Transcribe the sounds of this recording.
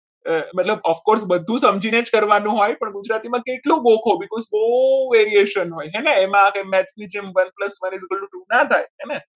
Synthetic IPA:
məʈləbəfkoɾsbəd̪ʱːũsəmd͡ʒined͡ʒkəɾʋanũɦojpəɳɡud͡ʒɾat̪imãkeʈlũɡokʰobikɔzbəuʋeɾieʃənɦojɦɛneemãkemɛʈsid͡ʒemʋənpləsməned͡ʒɡəlːũʈũnat̪ʰajɦɛne

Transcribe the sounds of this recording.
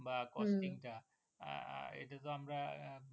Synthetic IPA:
bakɔstiŋʈa̰ | ḛʈat̪oamɾa

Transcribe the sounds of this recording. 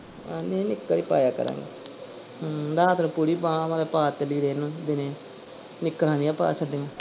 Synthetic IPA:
anenɪkːəɾiːpa̰ːjaːkə̰ɾã̰ːŋɡḭː | ɾaːt̪nũːpuɾiːpãːmãlepaːt̪eliːɾeːnũːd̪ɪnẽː | nɪkːəɾãːnijaːpa̰ːsəɖeːmũː

